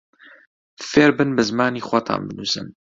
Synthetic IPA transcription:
feːɾbɨnbɨzmaːniːxʷwat̪ʰa̰ːnbɨnuːsɨ̰n

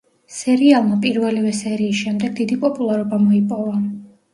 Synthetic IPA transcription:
sɛɾialˠmapʼiɾvɛlivɛsɛɾiːsʃɛmd̪ɛɡ̚d̪id̪ipʼɔpʼulˠaɾɔbamɔipʼɔva

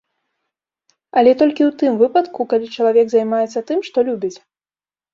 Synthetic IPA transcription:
ɐlʲɛt̪ɔlʲkʲiwt̪ɨmvɨpɐt̪kukalʲit͡ʂɐlˠavʲɛɡzajmajɛt̪sːɐt̪ɨmʂt̪ɔlʲubʲit͡sʲ

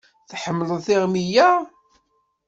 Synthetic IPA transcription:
θħəmːələðθɪʁmijæ

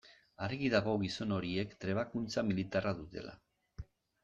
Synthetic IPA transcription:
aɾeɣiðaɣo̞ɣiso̞no̞ɾie̞kt̪ɾe̞β̞akunt͡samilit̪araðut̪e̞̰lʔa̰

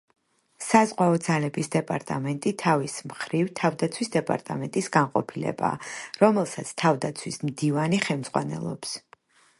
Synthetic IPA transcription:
sazʁwaɔd̪zalɛbisd̪ɛpʼa̰ɾt̪ʼa̰mɛnt̪ʼit̪ʰavismχɾivt̪ʰavd̪at̪sʰwisd̪ɛpʼa̰ɾt̪ʼa̰mɛnt̪ʼisɡanqʼɔ̰pʰilɛ̰ba̰ːɾɔmɛlˠsat̪sʰt̪ʰavd̪at̪sʰwismd̪ivaniχɛlmz̥ʁwa̰nɛ̰lˠɔ̰ps

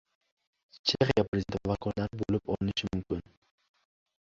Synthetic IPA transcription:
t͡ʃʰeχijapɾzent̪vavakʰɔɾlaɾɪbolɪpɒlɪnɪʃɪmʊmkʲɪn

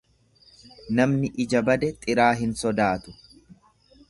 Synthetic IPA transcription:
nɐmnɪʔɪd͡ʒɐbɐd̪ɛt̪ʼɪɾaːɦɪnsɔd̪aːt̪ʊ̥

